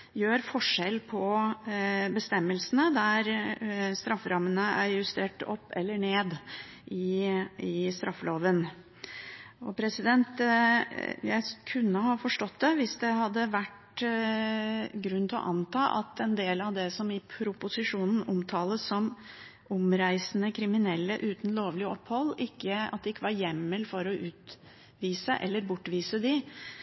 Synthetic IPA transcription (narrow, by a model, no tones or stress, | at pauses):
jøːɾfɔʂɛlpʰɔ | bəst̪ɛmːəlsənəd̪æɾst̪ɾɑfːɾɑmːənəæɾjʉst̪eːʈɔ̰pːɛ̰lːəɳeːd̪ | ʔɪɪst̪ɾʔɑfːloːʋən | ɔpʰɾɛsɪd̪ɛnt̪ | jæɪkʰʉnːəhɑːfɔʂʈɔt̪̚ːd̪ɛʋɪsd̪ɛɦɑd̪ːəʋæʈ | ɡɾʉnt̪ʰɪlɔ̰ʔɑnt̪ʰɑːʔɑ̰t̪ɛnd̪eːlɑʋd̪ɛsɔmɪpʰɾʊpʊsɪʂuːnn̩ʊmt̪ʰɑːləssɔm | ʊmɾæɪsənəkʰɾɪmɪnɛlːə̰ʔʉːt̪n̩loːʋlɪɔpːhɔlːɪkːəɑt̪̚d̪ɛɪkːəʋɑɾjɛmːəlfɔɾɔʔʉːt̪ | ʋiːsəʔɛ̰lːəɾbʊʈːʋiːsəd̪ɪ